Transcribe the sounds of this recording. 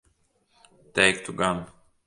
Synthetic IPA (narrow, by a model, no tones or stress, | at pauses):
teɪk̚t̪ʰuɡãn